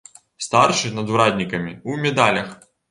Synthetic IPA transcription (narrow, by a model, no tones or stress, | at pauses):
st̪arʂɨnɐd̪uɾad̪ʲnʲikɐmʲiumʲɛd̪alʲɐx